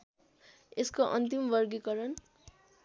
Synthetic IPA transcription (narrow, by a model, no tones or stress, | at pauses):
eskoʔʌ̰nt̪imbʌrɡikʌɾʌn